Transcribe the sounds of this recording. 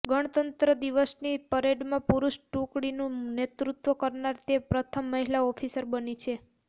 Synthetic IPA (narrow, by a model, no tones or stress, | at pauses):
ɡəɽ̃t̪ənt̪ɾəd̪iʋəsnipəɾeɖmãpuɾuʃʈũkɽinũnet̪ɾut̪ʋəkəɾnaɾt̪epɾət̪ʰəmːəɦilaɔfʰisəɾbənit͡ʃʰe